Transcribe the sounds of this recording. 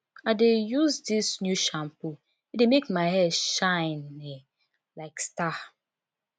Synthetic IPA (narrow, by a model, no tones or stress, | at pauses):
adejuzdisnjuʃãmpu | idemekmaɪhɛdʃãɪnɛ | laɪksta